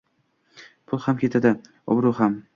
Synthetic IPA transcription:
pʰʊlˠhamkʲʰe̞t̪ʰad̪ɪ | ɒ̰bɾuham

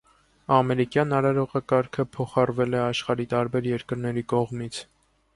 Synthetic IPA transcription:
ɑmɛɾikjɑnɑɾɑɾɔʁɑkɑɾkʰəpʰɔχɑrvɛlɛɑʃχɑɾit̪ɑɾbɛɾjɛɾkəɾnɛɾikɔʁmit͡sʰ

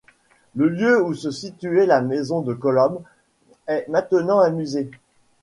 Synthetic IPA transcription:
ləljøusəsit̪yɛlamezɔ̃d̪əkɔlɔm | ɛmɛ̃t̪ənɑ̃amyze

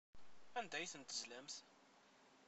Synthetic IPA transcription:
ænd̪æjθənt̪əzlæmθ

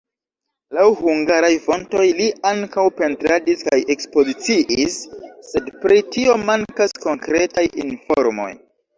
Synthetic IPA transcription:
lawhuŋɡaɾajfo̞nto̞jliaŋkawpe̞ntɾadiskaje̞kspo̞zit͡siʔisːe̞dpɾitio̞maŋkasko̞ŋkɾe̞tajinfoɾmo̞̰j

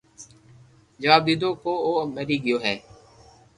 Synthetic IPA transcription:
d͡ʒəʋaːb̚d̪iːd̪oːkoːoːmeɾiːɡɪjoːɦɛː

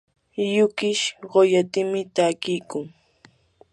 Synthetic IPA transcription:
jʊkɪʃɢojat̪ɪmɪt̪akɪjkʊŋ

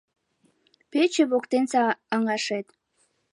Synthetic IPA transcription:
pet͡ɕeβokt̪ensɑːŋɑʃet̪

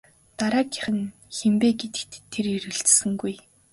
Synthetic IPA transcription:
t̪aɾaːkḁχɘ̆n | xempeːɡet̪ɘ̥̆kt̪ʰːeɾiɾɘ̆ɘ̆ɮt͡ɕsɘ̆ŋɡuj

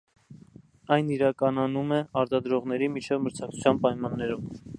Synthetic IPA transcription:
ɑjniɾɑkɑnɑnumɛɑɾt̪ɑd̪ɾɔʁn̪ɛɾimit͡ʃʰɛvməɾt͡sʰɑk̚t͡sʰu̥t͡sʰjɑnpɑjmɑnːɛɾum

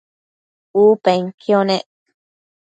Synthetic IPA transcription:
uːpeŋkʰjoneʔ

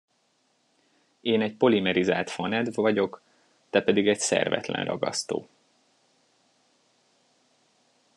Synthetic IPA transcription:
eːnɛc̚po̞limɛɾizaːlt̪fɒnɛd̪vɒɟo̞k | t̪ɛpɛd̪iɡɛcsɛ̰rvɛ̰t̪lɛ̰nrɒ̰ɡɒ̰st̪o̰ː

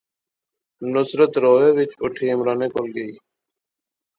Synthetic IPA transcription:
nʊsɾət̪ɾoːɦeːʋɪt͡ʃʊʈʰiːɪmɾaːneːpolɡəiː

